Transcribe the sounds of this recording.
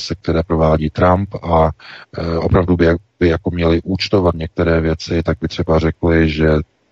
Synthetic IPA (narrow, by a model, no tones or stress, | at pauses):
sɛk̚t̪ɛɾɛːpɾo̞vaːɟiːt̪ɾampa | ʔopɾavdubɪbɪjako̞mɲɛlɪʔuːt͡ʃt̪o̞vat̪ɲɛk̚t̪ɛɾɛːvjɛt͡sɪt̪aɡ̚bɪt̪r̝̥ɛbarɛklɪʒɛ